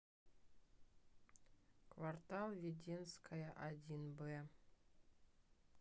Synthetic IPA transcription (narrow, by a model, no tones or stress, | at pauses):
kvart̪alˠvʲedʲenskʰajaʔadʲinbe